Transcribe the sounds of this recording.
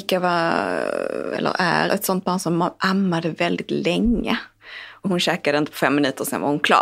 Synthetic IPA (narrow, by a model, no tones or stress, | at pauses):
kːavɑ | ɛ̰lːə̰ɾæ̰ɾɛt̪sɔnt̪̚bɑːnsɔmʔamːad̪əvɛld̪ɪt̪lɛŋːə̰ | ɔhʊnɕɛːkad̪əɪnt̪əpʰɔfɛmːɪnʉ̟ːt̪əɾsɛ̰nva̰ɾhʊnkʰlɑ̰ː